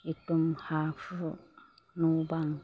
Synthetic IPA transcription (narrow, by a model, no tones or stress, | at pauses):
itumhafu | nubaŋ